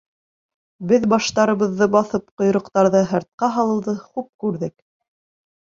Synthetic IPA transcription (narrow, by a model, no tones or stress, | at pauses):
bɘðbɑʃt̪ɑɾɤ̆βɤ̆ðːɤbɑθɤp̚qŏjɾŏqt̪ɑɾðɤɦɤ̆ɾt̪̚qɑɦɑlˠɤ̆wðɤχup̚kʉɾðɘk